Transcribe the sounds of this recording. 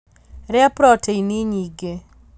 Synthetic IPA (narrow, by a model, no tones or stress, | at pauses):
ɾɛapɾɔtʰeiniɲiɡe